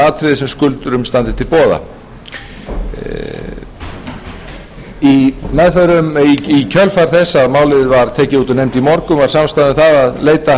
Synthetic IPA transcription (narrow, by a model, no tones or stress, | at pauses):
aːt̪ʰɾɪðɪsɛmskʏlt̪ʏɾʏmst̪ant̪ɪ̥t̪ʰɪlpɔːða̰ | imɛðθœɾʏmiicʰœlfaɾ̥θɛsːaðmaːwlɪðɪvaɾ̥t̪ʰɛːcɪuːt̪ɔnejmt̪imɔɾkʏmvaɾ̥samst̪aðɪmθaðaðleːjt̪a